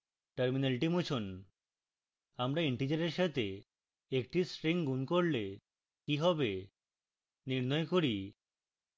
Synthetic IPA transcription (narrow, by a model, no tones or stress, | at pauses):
ʈəɾmineliʈimot͡ɕʰon | amɾaiɳʈid͡ʑaɾeɾʃat̪e | ek̚ʈisɾiŋɡunkoɾle | kiɦɔbe | niɾnɔekoɾi